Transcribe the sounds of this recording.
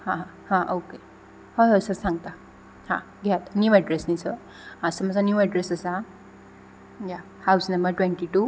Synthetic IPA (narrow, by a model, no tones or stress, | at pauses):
hãɦã | hãʔoke | həjɦosəɾsãŋɡt̪a | hã̰ | ɡʱɛt̪njuʋaɖɾesnisə | asəməd͡zanjuʋaɖɾesəsa | ja | hawsnəmbəɾʈwẽɳʈiʈu